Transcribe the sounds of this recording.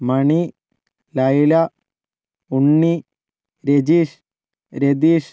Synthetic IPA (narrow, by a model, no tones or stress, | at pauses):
mɐɳi | lɐjlɐ | uɳːi | ɾed͡ʑiʂ | ɾed̪iːʂ